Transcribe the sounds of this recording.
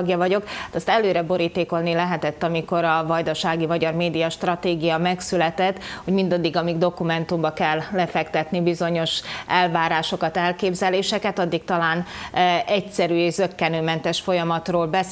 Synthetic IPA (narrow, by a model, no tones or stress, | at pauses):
ɡjɒvɒɟo̞kat̪ɒst̪ɛløːɾɛbo̞ɾiːt̪eːko̞lnilɛɦɛt̪ɛt̪ːɒmiko̞ɾɒvɒjd̪ɒʃaːɡimɒɟɒrmeːd̪ijɒʃt̪rɒt̪eːɡijɒmɛksylɛt̪ɛt̪ːhho̞ɟmind̪ɒd̪ːiɡɒmiɡd̪o̞kumɛnt̪umbɒkɛlːɛfɛkt̪ɛt̪nibizo̞ɲo̞ʃʔɛlvaːɾaːʃo̞kɒt̪ɛlkeːbzɛleːʃɛkɛt̪ɒd̪ːik̚t̪ɒlaːnɛcsɛɾyːeːʒzøkːɛnøːmɛnt̪ɛʃfo̞jɒmɒt̪roːlbɛ